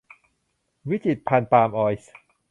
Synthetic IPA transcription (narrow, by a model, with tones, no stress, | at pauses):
wi˦˥t͡ɕi˨˩t̪̚pʰa˧npaː˧mʔɔː˧js